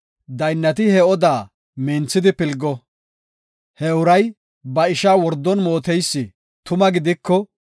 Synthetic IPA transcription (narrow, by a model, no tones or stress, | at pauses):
d̪ɐjnːɐt̪ɪhɛɔd̪aː | mɛːnt͡sːɪd̪ɪpɪlɡːɔ | hɛʊɾɐj | bɐɪʃaːwɔɾd̪ːɔnmoːt̪ɛjsːɪ | t̪ʊmɐɡɪd̪ɪkːɔ